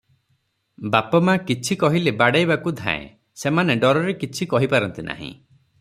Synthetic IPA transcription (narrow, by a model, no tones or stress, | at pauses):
bapɔmakit͡ʃʰikɔɦilebaɽajbakud̪ʱã̰ḛ̃ | semaneɖɔɾɔɾekit͡ʃʰikɔɦipaɾɔnt̪inʔa̰ɦḭ̃